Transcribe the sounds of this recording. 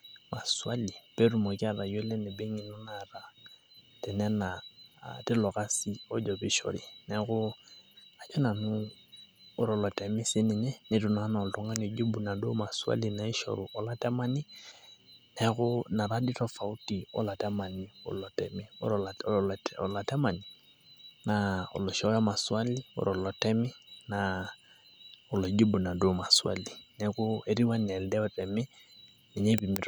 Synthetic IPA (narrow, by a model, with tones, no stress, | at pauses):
ma˨swa˦li˨pe˦ɾu˨mɔ˨ki˦a˦ɾa˨jɛ˦lɛ˦nɪ˨be˦ŋɪ˨nɔ˦na˨ɾa˨˦tɛ˨nɛ˦na̰˨tɪ˦lɔ˨ka˦si˦ɔ˦d͡ʒɔ˨bɪ˦ʃɔ̰˨ɾɪ̰˨nɛ˨˦ɣʊ˦ | a˨d͡ʒɔ˦na˨nʊː˦ | ɾɔ˨lɔ˨tɛ˨mɪ˦sɪ˦nɪ˨ɲɛ˦nɪ˨tʊ˨na˨˦na˨ɔ˨ltɔ˨˦ŋa˦nɔ˨d͡ʒo˦bu˨na˨do˦ma˨swa̰˦li˨na˨ɪ˦ʃɔ̰˨ɾʊ˨ʔɔ˦la˦tɛ˦ma˦nɪ˦ | nɛ˦kʊ˦na˨ɾa˦di˦tɔ˦fa˨u˦ti˨ɔ̰˦la˨tɛ˦ma˨ni˨ɔ̰˨lɔ˨tɛ̰˨mi˦ɔ | ɔ̰˨la˨tɛ˦ma˨ni | naɔ̰˨lɔ˨ʃɔ˨ɾa˦ma˨swa˦li˦ɔ̰ɾɔ˨lɔ˨tɛ˦mɪ˦na | ɔ˨lɔ˨d͡ʒi˦bu˨na˨do˦ma˨swa̰˦li˨nɛkʊ˦e˨ɾi˦wa˦n˨ɛ˨ldɛ˦ɔ˦tɛ˨mɪ˦ | nɛ˨ɲɛ˦pi˨mi˦t